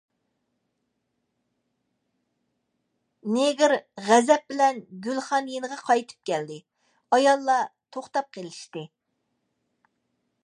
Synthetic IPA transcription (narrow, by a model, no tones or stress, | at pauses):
neɡʲɪɾʁæzɛp̚bɪlɛnɡʲylχɑnjenəʁɑqʰɑjt̪ʰɨ̥p̚kʲɛld̪ɪ | ɑjɑlˠːɑt̪ʰoχt̪ɑp̚qʰelɪʃt̪ɨ